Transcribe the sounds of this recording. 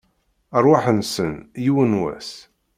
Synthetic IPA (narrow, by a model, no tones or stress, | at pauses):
ərˤwaħənsənjiwənwæ̰s